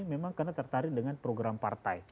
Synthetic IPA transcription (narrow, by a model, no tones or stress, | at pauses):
memaŋkarnat̪ərt̪aɾɪk̚dəŋanpɾoɡɾampa̰rt̪aj